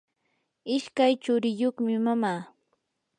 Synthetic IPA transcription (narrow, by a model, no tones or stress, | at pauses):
ɪʃkajt͡ʃʊɾɪjoχmɪmamaː